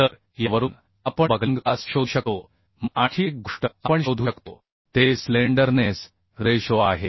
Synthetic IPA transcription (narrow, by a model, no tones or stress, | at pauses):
t̪əɾ | jəʋəɾuːn | apəbəɡʱləŋɡasɕod̪ʱɕəko | maʈʰik̚ɡuʂʈəapəɳɕod̪ʱuəkt̪o | t̪esleɳɖəɾnes | ɾeɕoaɦe